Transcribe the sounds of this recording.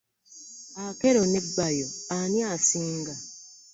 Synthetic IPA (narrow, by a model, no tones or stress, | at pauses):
akeɾonebːajoanjasiːŋɡa